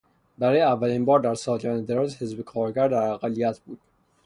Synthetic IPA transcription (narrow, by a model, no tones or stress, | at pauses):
bæɾɒːjeævːæliːnbɒːɾd̪æɾsɒːd͡ʒɒned̪eɾɒzhezbekʰɒːɾɡæɾd̪æɾæɣælːijæt̪ʰb̥uːd̪̥̚